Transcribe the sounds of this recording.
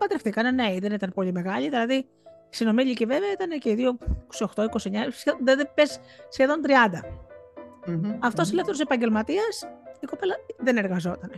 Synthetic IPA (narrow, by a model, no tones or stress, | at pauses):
pɐt̪ɾeft̪ikɐneneiðe̞nit̪ɐnpo̞ʎime̞ɣɐʎiðilɐði | isino̞miʎiceve̞veɐit̪ɐnece̞iðio̞ko̥sioxt̪o̞iko̞sieɲɐsðpessçeðo̞nt̪ɾiɐnd̪ɐ | ɐft̪o̞selefθeɾose̞pɐɲɟe̞lmɐt̪iɐsiko̞pe̞lɐðene̞ɾɣɐzo̞t̪ɐn